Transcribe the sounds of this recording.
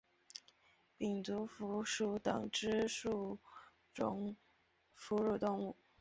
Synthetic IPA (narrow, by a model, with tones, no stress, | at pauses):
pi˨˩nt͡s̪u˧˥fu˧˥ʂu˧˥t̪ɤ̰˨˩ŋʈ͡ʂɻ̩˥ʂu˥˩ | ʈ͡ʂʊ̰˧˥ŋ | fu˧˥ɻu˥˧˩t̪ʊ˥˧ŋu˥˩